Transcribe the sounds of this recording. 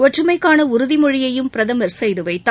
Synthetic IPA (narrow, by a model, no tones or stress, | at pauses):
ɔʈrɯmɐɪkːaːnɐʊɾʊðɪmɔɻɪjɐjɯmpɪɾɐðɐmɐɾsɛjðɯʋɐɪt̪ː